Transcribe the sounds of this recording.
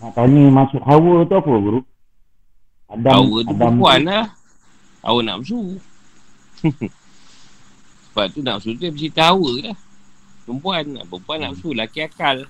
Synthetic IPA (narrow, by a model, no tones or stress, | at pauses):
naʔt̪aɲimasʊʔɦawət̪uapəɡuɾuʔ | adaawət̪udampuanah | a̰wəna̰ʔms̬u | səbap̚t̪una̰ʔməsut̪ujapəsit̪aɦawəlaht̪umpuana̰ʔpəmpuanaʔmsulakiakal